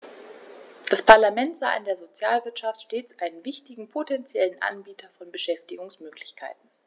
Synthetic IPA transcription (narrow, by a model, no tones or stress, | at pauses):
d̥aspʰaɐlamɛntz̥a̰ːʔɪndeːɐzot͡sja̰ːlvɪɐtʃaftʃteːt͡sʔaɪnənvɪçtɪɡŋ̩pʰotʰɛnt͡sjɛlənʔa̰nbiːtʰɐfɔnbəʃɛftɪɡʊŋsmøːklɪçkʰa̰ɪtn̩